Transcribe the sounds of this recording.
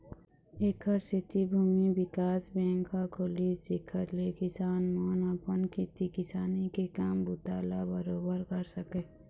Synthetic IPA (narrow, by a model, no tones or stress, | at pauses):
eːkʰəɾset̪ibʱuːmibɪkaːsbẽːŋkʰakʰoːlissɪkʰəɾlekɪsaːnmoːnapənkit̪ikɪsaːnikekaːmbʊt̪aːla̰bəɾoːbəɾkəɾsəkeː